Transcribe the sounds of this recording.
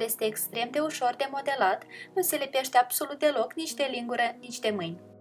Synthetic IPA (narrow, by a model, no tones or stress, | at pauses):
ljest̪eːkst̪ɾe̞md̪e̞uʃo̞rd̪e̞mo̞d̪e̞lat̪nuse̞lepe̞ʃt̪eab̥so̞lut̪̚d̪e̞lo̞knit͡ʃt̪e̞liŋɡuɾənit͡ʃʲt̪e̞mɨjnʲ